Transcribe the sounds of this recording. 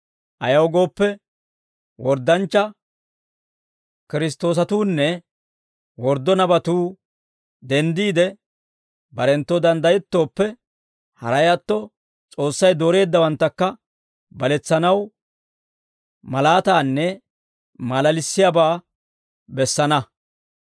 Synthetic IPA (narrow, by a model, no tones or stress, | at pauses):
ʔɐjɐwɔɡo̞ːpːɛ | wɔɾd̪ːɐnt͡ʃːɐ | kɪɾɪs̬t̪o̞ːs̬ɐt̪uːnːɛ | wɔɾd̪ɔnɐbɐt̪uː | d̪ɛnd̪iːd̪ɛ | bɐɾɛnt̪ːɔd̪ɐnd̪ɐjɛt̪ːo̞ːpːɛ | hɐ̰ɾɐjɐt̪ːɔ | t͡sʼo̞ːsːɐjd̪o̞ːɾe̞ːd̪ːɐwɐnt̪ːɐkːɐ | bɐlɛt͡sːɐnɐw | mɐlaːt̪aːnːɛ | malɐlɪsːɪjaːbaː | bɛsːɐnɐ